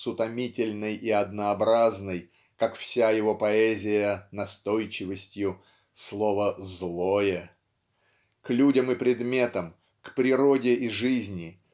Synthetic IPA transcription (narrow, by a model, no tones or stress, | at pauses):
sʊt̪ɐmʲitʲɪlʲnəjiɐd̪nəːbɾaznəj | kakfsʲajɪvo̞pɐɛzʲɪjənɐst̪o̞jt͡ɕɪvəsʲtʲjʊ | slˠovəzlˠojə | klʲudʲəmɨpɾʲɪd̪mʲe̞t̪əm | kpɾʲɪɾo̞dʲɪʔɪʐɨzʲnʲɪ